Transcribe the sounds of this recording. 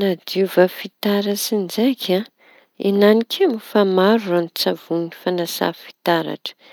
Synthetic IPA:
nad̪ivafit̪aɾasind͡ʒajkʲʰa | enanikʰʲemufamaɾuranit͡savunifanasa̰fi̥t̪aɾa̰ʈ͡ʂə̥

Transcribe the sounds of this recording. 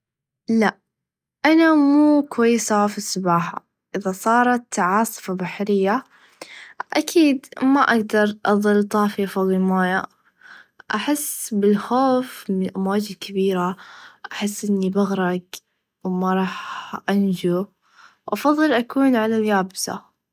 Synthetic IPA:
laʔ | ʔanamuːkwajːsafisˤɑbɑːħa̰ | ʔɪðasˤɑːɾˤɑt̪ʕɑːsˤfabaħɾɪjːa | ʔakʰiːd̪maʔaɡd̪ɑɾˤʔɑðˤɨlt̪ˤɑːfiʔfɑðˤːlmaːja | ʔaħɪsːbɪlxoːfmɪnʔamwaːd͡ʒɪd̪kʰabiːɾaʔaħɪsːʔɪnːibaɣɾˤɑɡ | wmaɾˤɑːħʔand͡ʒu | wʔɑfɑðˤːɨlʔakuːnʕalaljaːbsa̰

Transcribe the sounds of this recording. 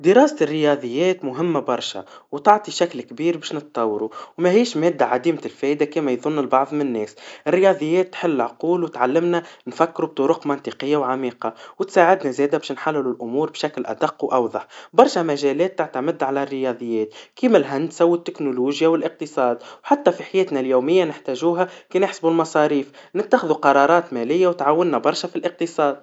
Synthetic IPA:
d̪əɾɑːsɪrːɪjɑd̪ˤəjːɛːt̪mʊɦɪmːabɑɾˤʃa̰wt̪ɑʕt̪ˤiʃæklkbiːɾbɛːʃnət̪t̪ˤɑwːɾuwmæhiːʃmɛːd̪ːaʕad̪iːmɪlfɛːʔd̪akiːmæjðˤʊnːɪlbɑʕðˤmɪnnːɛːsʔɪrːɪjɑːd̪ˤəjːɛːt̪ːħɪlːʕquːlwɪt̪ʕalːɪmnænfækːɾub̚t̪ˤʊɾʊqmɑnt̪iqəjːawʕamiːqɑwɪt̪saːʕɪd̪næzɛːd̪æbɛːʃnħalːɪlulʔʊmuːɾˤbʃæklʔæ̰d̪ɑqːwʔɑwðˤɑħbɑɾˤʃæmæʒɛːlɛːt̪ːɪʕt̪amɪd̪ʕalærːɪjɑːd̪ˤəjːɛːt̪̚kiːmælɦænd̪sawɪt̪ːɪknuluːʒjawɪlʔɪq̚t̪ɨsˤɑːd̪wħat̪ːæfiħajɛːt̪næljuːmɪjːanɪħt̪æːʒuːɦækinɪħsbulmɑsˤɑːɾiːfnɪt̪ːaxɪðuqɑɾˤɑːɾˤɑːt̪mɛlɪjːawt̪ʕawːɪnːæbɑɾˤʃafilʔɪq̚t̪ɨsˤɑːd̪

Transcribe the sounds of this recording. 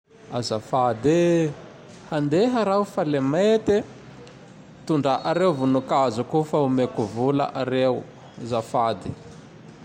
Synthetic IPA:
azafad̪e | hand̪eɦəɾawufalemet̪e | t̪uɳɖ͡ʐaʔaɾewvunukazukufaumekuvula̰ʔaɾew | zafad̪i̥

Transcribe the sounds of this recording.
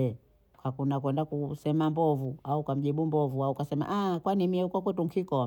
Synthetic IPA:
kakunakwɛndakusɛmambɔvuaukam̩ʄiɓumbɔvuaukasɛma̰ʔakwanimiɛukwakwɛtuŋ̩kʰikɔ

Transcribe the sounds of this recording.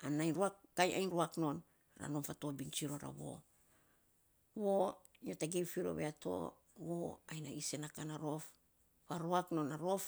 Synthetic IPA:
anajnɾuakːajʔa̰jnɾuakno̞n | ɾa̰no̞nfatobint͡ʃiɾo̞ɾa̰βo̰ | wojotaɡewfiɾo̞̰βeatʰo̰ | woajnaise̞nakanaɾo̞f | waɾoakno̞naɾof

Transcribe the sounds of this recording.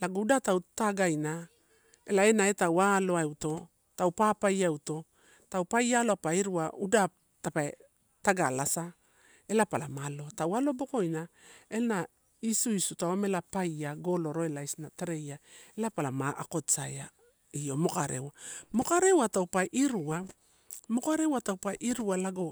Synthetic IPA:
laɡudatawtaɡajna | e̞̰lae̞naetawalo̞aewto̞ | tawpapajawto̞ | tawpajalo̞apaiɾuaudap | tapae | taɡalasa | e̞lapala̰malo̞tawalo̞bo̞ko̞jnae̞na | isuisutawamelapajaɡo̞lo̞ɾo̞elajsnateɾe̞jaelapalamaʔa̰ko̞saja | io̞mo̞kaɾḛwamo̞kaɾe̞watawpajʔiɾua | mo̞kaɾe̞watawpajʔiɾualaɡo̞

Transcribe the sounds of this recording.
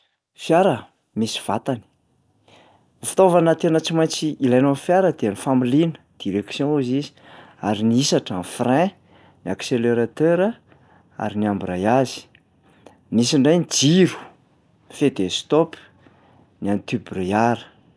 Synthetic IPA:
fjaɾə | misi̥v̥at̪ani̥ | fi̥t̪ovanət̪enət͡simaj̃nt͡siilajnonfjaɾəd̪eanifamilinə̥d̪̥iɾeksjɔ̃uzizi̥ | aɾiniisaʈ͡ʂanfrɛ̃ | niakseleɾat̪øɾa | a̰ɾiniambirajazi̥ | nisiɳɖ͡ʐajnid͡ziɾu̥ | fed̪est̪op | niant̪ybriaɾə̥

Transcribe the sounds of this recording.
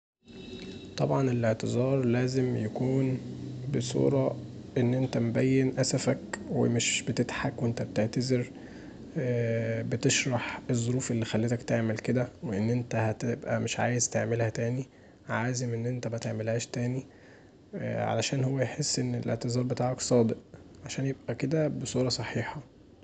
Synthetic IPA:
t̪ˤɑbʕɑnelʔeʕt̪ezɑːɾˤlæːzemjækuːnbesˤṵːɾˤɑ | ʔenːʔent̪æmobæjːenʔæsæfækwḛmeʃbet̪et̪ħakweʔent̪æbet̪eʕt̪æzeɾ | bet̪eʃɾˤɑħezˤːoɾuːfelːixælːet̪ækt̪eʕmelked̪æweʔenːʔent̪æhæt̪ebʔæmeʃʕaːjezt̪eʕmelhæt̪æːni | ʕaːzemʔenːʔent̪æmæt̪eʕmelhæːʃt̪æːni | ʕa̰læʃæːnhowːæjħesːʔenːelʔḛʕt̪ezˤɑːɾˤbet̪aːʕɑksˤɑːd̪eʔʕaʃæːnjeb̚ʔæked̪æbesˤuːɾˤɑsˤɑħiːħɑ

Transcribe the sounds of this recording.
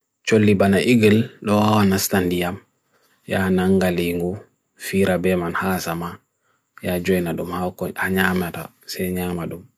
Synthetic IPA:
t͡ʃolːibanaʔiɡilɗɔhawanastandijam | janaŋɡaliŋɡu | fiːɾabɛmanhasama | jad͡ʒɔjnaɗumhakɔhaɲaːmata̰ | sɛɲaːmaɗum

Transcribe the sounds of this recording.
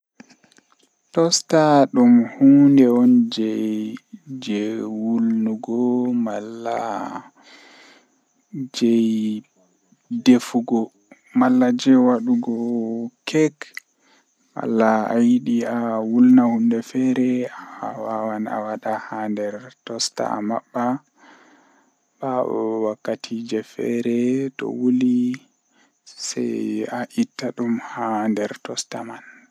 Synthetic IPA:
tɔstaɗumhundɛɔnd͡ʒɛjd͡ʒɛwulnuɡɔmalːa̰ | d͡ʒɛj | defuɡɔ | malːad͡ʒɛwaɗuɡɔkʰɛk | wa̰lːaa̰jiɗiawulnahundɛfɛɾɛaa̰wawana̰waɗahandɛɾtɔsta̰a̰ma̰ɓːa | b̥aɛ̰wakːatʰid͡ʒɛfɛ̰ɾɛtɔ̰wuli | sɛ̰jaʔitːaɗumhandɛɾtɔsta̰man

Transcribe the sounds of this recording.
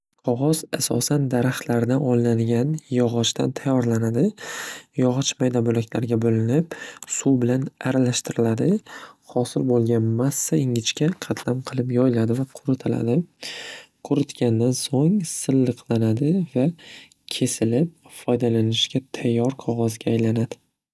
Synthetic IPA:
qʰɒʁɒzasɒ̰sand̪aɾaχt̪laɾɪd̪anɒnlaŋɡʲanjɒʁɒt͡ʃt̪a̰nt̪ʰajːɒɾlanad̪ɪjɒʁɒt͡ʃmajd̪abolakʲlaɾɡʲabolɪnɪpsubɪlanaɾalaʃt̪ɪɾɪlad̪ɪhɒsɪlbolˠɡʲanmasːaɪŋʲɪt͡ʃkʲaqʰɑt̪ʰlamqʰɨlˠɪpjɒjlad̪ɪvaqʰʊɾɪt̪ʰɪla̰d̪ɪ | qʰʊɾʊt̪kʲand̪ansoŋsɨlˠːɨqlanad̪ɪva | kʲʰe̞sɪlɪp̚fɒjd̪alanɪʃkʲat̪ʰajːɒɾqʰɒʁɒzɡʲaːjlanad̪ɪ

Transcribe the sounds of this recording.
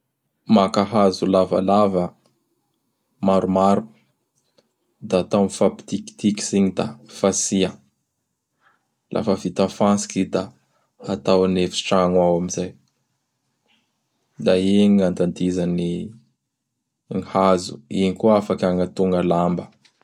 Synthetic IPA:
makaɦazulava̰lavə | maɾumaɾu̥ | d̪aːt̪anfapi̥t̪iki̥t̪iki̥siɲid̪afasiə | lʔa̰fəvit̪afansi̥kid̪aː | t̪awanefi̥ʈ͡ʂaŋwawamizaj | d̪aeɲand̪and̪izani | ŋihazu̥̰iɲikuafakʲaŋat̪uŋɡəlambə

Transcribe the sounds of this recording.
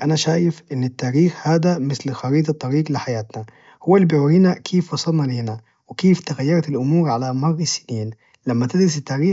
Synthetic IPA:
ʔanaʃaːjɪfʔɪnːɪt̪ːaːɾiːxhaːd̪amɪθlxɑɾiːt̪̬ɑt̪ˤːɑɾiːɡlɪħajaːt̪na | hʊwːalːibiʕuːɾiːnakʰeːfwɑsˤɑlnɑleːna | wɪkeːft̪ɪɣajːɑɾˤɑt̪ɪlʔʊmuːɾʕalamɑrˤːɑsːɪniːn | lamːat̪ɪd̪ɾɑsɪt̪ːaːɾiː

